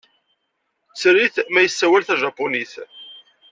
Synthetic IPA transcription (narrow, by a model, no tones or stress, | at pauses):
t͡sːɾiθmæjəsːæwælθæʒɑpːʊniθ